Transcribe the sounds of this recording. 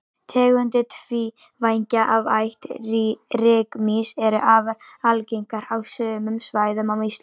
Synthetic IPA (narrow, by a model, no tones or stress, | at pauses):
t̪ʰɛːɣʏnt̪ɪt̪ʰvi | vajɲcaʔavajht̪irɪːkmisɛɾʏʔaːvaɾalcejŋkaɾawsœːmʏmsvaːjðʏmawis